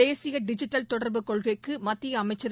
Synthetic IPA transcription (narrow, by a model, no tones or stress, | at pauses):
eːsɪjɐɖɪd͡ʒɪʈːɐlt̪ɔɽɐɾbɯkɔɭɣɐɪkːɯmɐt̪ːɪjɐːmɐɪt͡ʃːɐɾ